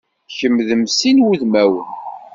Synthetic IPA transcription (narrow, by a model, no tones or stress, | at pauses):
çəmðəmsinwuðmæwən